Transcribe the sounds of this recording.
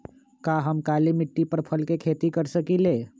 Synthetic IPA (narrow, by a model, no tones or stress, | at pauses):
kaɦəmkalimiʈːipəɾpʰəlkekʰet̪ikəɾsəkile